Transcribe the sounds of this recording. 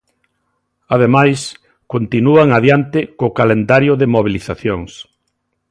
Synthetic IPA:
aðemajs | kont̪inuaŋaðjant̪ɪkokalend̪aɾjʊðɪmoβ̞iliθaθjoŋs

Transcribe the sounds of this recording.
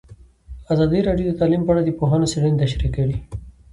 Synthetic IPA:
azɑd̪iɾɑɖijod̪ət̪alimpaaɽad̪epoɦanoseɽent̪aʃɾikəɽi

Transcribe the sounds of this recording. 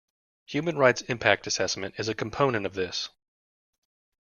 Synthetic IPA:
hjʉmɨ̃nɹaɪtsɪ̃mpʰæk̚tɨsɛsmɨ̃ntɨzɨkʰm̩pʰõʊnɨ̃ñtʌvðɪs

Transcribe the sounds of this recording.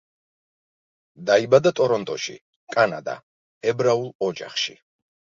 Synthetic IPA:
d̪aibad̪at̪ʼɔɾɔnt̪ʼɔʃḭ | kkʼanad̪a̰ | ɛbɾaulˠɔd͡ʒa̰χʃḭ

